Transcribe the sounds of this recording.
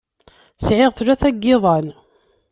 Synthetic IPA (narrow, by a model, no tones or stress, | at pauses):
sʕɪʁθɾæθæɡːɪðˤɑn